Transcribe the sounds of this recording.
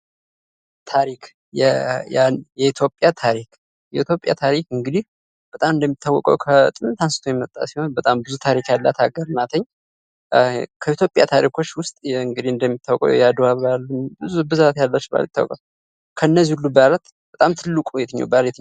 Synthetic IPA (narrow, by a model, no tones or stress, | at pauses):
t̪ʰaɾik | jɛjanjɛit̪ʰjo̞pʼjat̪ʰaɾik | jɛit̪ʰjo̞pʼja̰t̪ʰaɾikɨŋɡɨd̪ih | b̥ət̪ʼamɨnd̪əmːit̪ʰːawːɔ̰kʼə̰wkʰət̪ʼɨnɨt̪ʰansɨ̥t̪ʰojɛmət̪ʼːa̰siho̞nbət̪ʼambɨzut̪ʰaɾikjalːat̪ʰaɡəɾnat̪ʰəɲː | kʰəit̪jo̞pʼjat̪ʰaɾikʰo̞t͡ʃːwʊst̪ʼɨŋɡɨd̪ihɨnd̪əmːit̪ʰːawɔkʼə̰wjad̪aβalːənbɨzubɨzat̪jalːat͡ʃːba̰lit̪ːawɔ̰kʼəw | kʰəɨnːəzihulːubalat̪ | b̥ət̪ʼamt̪ʰɨlːɨkʼujɛt̪ʰəɲːɛ̰wbaljɛt̪əɲ